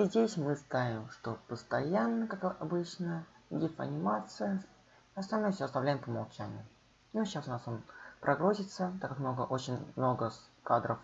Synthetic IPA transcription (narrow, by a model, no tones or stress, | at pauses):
izʲdʲesʲmɨst̪avʲɪmʂt̪o̞pəst̪ɐjanːəkakɐbɨt͡ɕnədʲifɐ̰nʲɪmat̪sɨjə | ɐst̪ɐlʲnojfʲsʲoɐst̪ɐvlʲæjɪmpəmɐlˠt͡ɕanʲɪ̰jʊ | noːasʊnasonpɾʔɐɡɾozʲɪt̪sət̪akːakmno̞ɡəʔot͡ɕɪnʲmno̞ɡəskad̪ɾəf